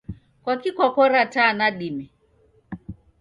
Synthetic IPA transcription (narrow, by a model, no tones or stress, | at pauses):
kwakikɔkɔɾatanaɗimɛ